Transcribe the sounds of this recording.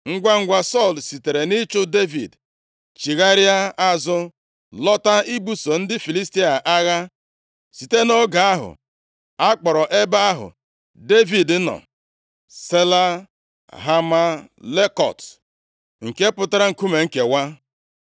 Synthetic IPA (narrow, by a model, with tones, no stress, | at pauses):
ŋ̩˦ɡʷa˦ŋ̩˦ɡʷa˦sɔ˦˨lsi˨te˨ɾe˨nɪ˦t͡ʃʊ˦de˦vḭ˨d | t͡ʃi˨ɣa˦ɾja˦a˦zʊ˦ | lɔ˦ta˦i˦bu˦so˨n̩˦dɪ˦fi˨li˦sti˦a˨ʔa˦ɣa˦ | si˨te˦no˦ɡa˨a˦ɦʊ̰˨ | a˦k͡pɔ˨ɾɔ˨ʔe˦ba˦a˦ɦʊ̰˨ | de˦vi˨d̩˦nɔ̰˨ | se˦la˦ | ɦa˦ma˦le˦kɔ̰˨t | ŋ̩˨ke˦pʊ˦ta˦ɾa˦ŋ̩˨ku˦me˨ŋ̩˦ke˨wa˦